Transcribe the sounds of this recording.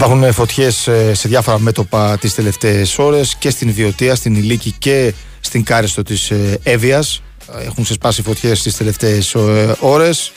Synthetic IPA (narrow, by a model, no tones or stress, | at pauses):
ipɐɾxunfo̞t̪çe̞sse̞ðʝɐfo̞ɾɐme̞t̪o̞pɐt̪ist̪ele̞ft̪e̞ːso̞ɾe̞sce̞st̪invio̞t̪iɐst̪inilicice̞ | st̪iŋɡɐɾist̪o̞t̪iseviɐs | exuŋksespɐsifo̞t̪çe̞st̪ist̪e̞le̞ft̪e̞ːso̞ɾe̞s